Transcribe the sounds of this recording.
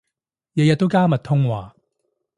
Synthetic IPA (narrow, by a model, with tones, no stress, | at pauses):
jɐ˨˧jɐ˨t̚t̪ːo˥wkaː˥mɐ˨t̚t̪ʰʊ˥ŋwaː˨